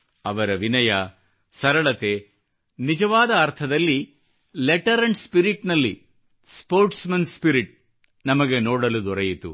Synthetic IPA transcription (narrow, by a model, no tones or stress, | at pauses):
ɐʋɐɾɐʋinɐjɐ | sɐɾɐɭɐt̪e̞ | nid͡ʒɐʋaːd̪ɐːɾt̪ʰɐd̪ɐlːi | leʈɐɾɐɳɖspiɾiʈnɐlːi | spoːɾʈsmɐnspiɾiʈ̚ | nɐmɐɡe̞noːɽɐlud̪ɔɾɐjit̪ṵ